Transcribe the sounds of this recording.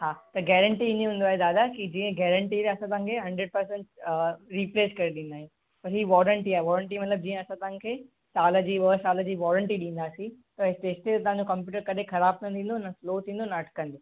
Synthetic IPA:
ɦaːt̪ɐɡɛːɾəɳʈiɪnẽɦũːnd̪oaɦed̪aːd̪akid͡ʑiːə̃ɡɛːɾə̃ɳʈiɾeɐsãt̪aːãkʰeɦɐ̃ɳɖɾəɖ̚pɐɾs̬ə̃ɳʈɾiːpleːskɐɾeɗĩːnd̪aːɦĩ | pɐɾɦiːʋɔːɾəɳʈiaːɦeʋɔːɾəɳʈ̬imɐt̪ləb̚d͡ʑĩːə̃ɐsãt̪ɐɦãkʰeː | saːləd͡ʑiːʋəːsaːləd͡ʑiːʋɔːɾəɳʈiɗĩːnd̪aːsĩ | t̪ɐɪst̪eːst̪et̪ɐɦãɲd͡ʑokɐ̃mp̬juːʈəɾkɐɗexɐɾaːb̚t̪ʰɐnt̪ʰĩːn̆d̪onɐsloːt̪ʰĩːndonɐɐʈʰkɐ̃nd̪oː

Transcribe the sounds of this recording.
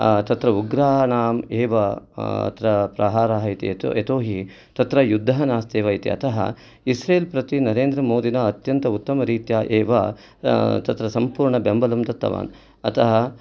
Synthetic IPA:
t̪ɐt̪ɾɐuɡɾaːnaːmeːʋɐɐ̰t̪ɾɐpɾɐɦaːɾaːɦɐit̪ḭtet̪oːɦi | t̪ɐt̪ɾɐjud̪ʱːɐɦɐnaːst̪eːʋɐːit̪ḭɐ̰t̪ʰɐɦɐ̰ | isɾeːlpɾɐt̪inɐɾeːnd̪ɾɐmoːd̪inɐːt̪jɐnt̪ɐut̪ːɐmɐɾiːt̪jaːʔeːʋɐ̰ | t̪ɐt̪ɾɐsɐmpuːɾɳɐbembɐlɐmd̪ɐt̪ːɐ̰ʋa̰ːn | ɐt̪ʰɐɦɐ

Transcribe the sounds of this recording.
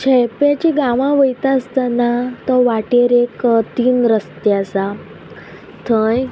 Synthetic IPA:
t͡ɕʰejpjat͡ɕiɡãʋãʋəjt̪ast̪anat̪ɔʋaʈeɾekt̪iːnɾəst̪jasa | t̪ʰə̃j

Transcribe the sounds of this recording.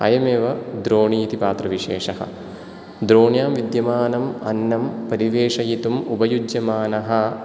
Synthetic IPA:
ɐ̰jɐmeːʋɐd̪ɾoːɳiːt̪ipaːt̪ɾɐʋiʂeːʂɐɦɐ̰ | d̪ɾoːɳjaːmʋid̪jɐmaːnɐmɐnːɐmpɐɾiʋeːʂɐjit̪umubɐjud͡ʒjɐmaːnɐɦɐ̆

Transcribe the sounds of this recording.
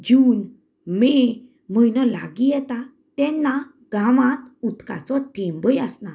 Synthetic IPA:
d͡ʑuːn | me | məjnɔla̰ɡijɛt̪a | t̪ɛnːa | ɡʱamãt̪̚ut̪ka̰t͡sɔt̪ʰɛ̃mbəjəsna

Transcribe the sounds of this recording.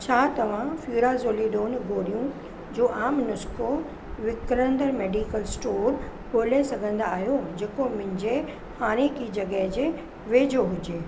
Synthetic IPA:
t͡ɕʰaːt̪ɐʋ̤ãfjuːɾazoːliɗoːnɡʱoːɾijũ | d͡ʑoːʔaːmnʊsko | ʋɪkɾə̃nd̪əɾmeːɖiːkəlsʈoːɾboːlesɐɡʱə̃nd̪aaːɦjod͡ʑeːkomʊ̃ɦɪ̃ɲd͡ʑe | haːɾ̃ekid͡ʑɐɡəɦd͡ʑeː | ʋeːd͡ʑoɦʊd͡ʑeː

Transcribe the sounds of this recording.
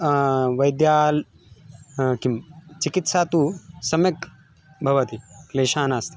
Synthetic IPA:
ʋɐjd̪jaːl | kimt͡ʃikit̪sat̪usɐmjek̚ | bʱɐʋɐt̪ikleːʃaːnast̪e̥

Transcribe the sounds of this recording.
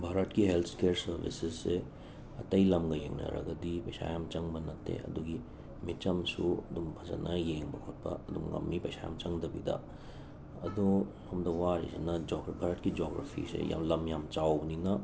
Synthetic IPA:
bʱaɾɐtkiɦelt̪ʰkeɾsɐɾbḭsesːe | ɐtɐjlɐmɡɐjeŋnɐ̰ɾɐ̰ɡɐdipɐjsʰa̰jamt͡ʃɐŋbɐnɐtʰːḛɐ̰duɡi | mit͡ʃɐmsuɐdumpʰɐzɐnɐjeŋbɐkʰot̚pɐ̰ɐd̪uŋɾɐ̰mːipɐjsʰaja̰mt͡ʃɐŋdɐbidɐ̰ | ɐdu | hɐmdɐwaɾḭsenɐd͡ʒobʱaɾɐtkid͡ʒoɡɾa̰pʰḭsḛja̰mlɐmjamt͡ʃawbninɐ

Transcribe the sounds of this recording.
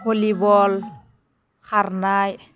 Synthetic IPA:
ɦolibɔl | xʰaɾnaj

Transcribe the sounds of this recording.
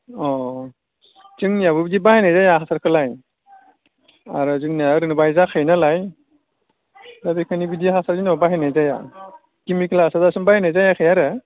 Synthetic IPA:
ɔ | zɯŋnijaβɯbidibahenajzajaɦasaɾkʰɯlaj | aɾɯzɯŋnijaɾɯnɯbajzakʰajnalaj | zabikʰanibidiɦasaɾzinɔbaɦanajzaja̰ | kimikʰlasazasɯŋbajnajzajakʰɯjaɾɯ

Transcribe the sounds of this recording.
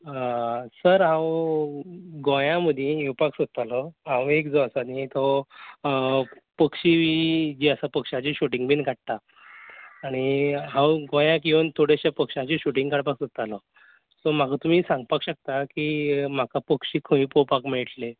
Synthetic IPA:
səɾɦãw | ɡõjãməd̪ʱjẽupaksut̪alɔɦãwekd͡zɔəsanit̪ɔ | pəkʂiʋid͡ʑiːəsapəkʂat͡ɕiɕuʈiŋɡbʱinkʰaʈ̚t̪aː | ɽ̃iɦãwɡõjãk̬ĩʋənt̪ʰoɽeɕapəkʂat͡ɕiɕuʈĩŋɡkaɽpaksut̪alɔ | sɔm̤akʰat̪um̤iːsãŋɡ̚pakɕək̚t̪akim̤akapəkʂiːkʰə̃ʋĩpopakmiɭʈle

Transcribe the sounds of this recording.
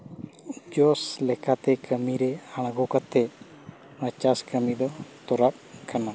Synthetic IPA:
d͡ʒɔslɛkat̪ɛkəmiɾɛaɽ̃ɡɔkat̪ɛ | mət͡ʃaskəmid̪ɔt̪ɔɾap̚kana

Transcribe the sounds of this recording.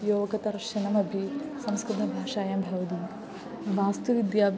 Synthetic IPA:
joːʋɐkɐt̪ɐɾʃɐnɐmɐbʱisɐmskɾɨt̪ʰɐbʱaːʂaːjɐmbʱɐʋɐt̪i | ʋaːst̪uʋid̪jaːb

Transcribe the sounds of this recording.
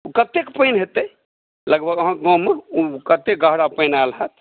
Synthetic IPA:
ukət̪ekpəjnɦet̪əj | ləɡbʱəɡəɦãɡɔ̃meukət̪ek̚ɡəɦɽapəjnalɦət̪

